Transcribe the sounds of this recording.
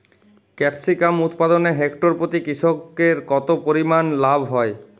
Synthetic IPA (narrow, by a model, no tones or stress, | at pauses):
kɛpsikamut̪pad̪oneɦekʈoɾpot̪ikɾiʃokeɾkɔt̪opoɾimanlabʱɦɔe